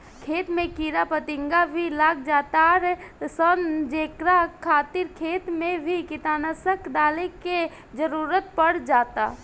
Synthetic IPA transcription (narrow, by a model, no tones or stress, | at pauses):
kʰeːt̪mẽkiɾapət̪ɪ̃ŋɡabʱilaːɡd͡ʒaːt̪aɾsənd͡ʒeːkɾakʰaːt̪ɪɾkʰeːt̪mẽbʱikɪt̪aːnəsəkd̪aːleke | d͡ʒəɾuːɾət̪̚pəɽ̤d͡ʒaːt̪a̰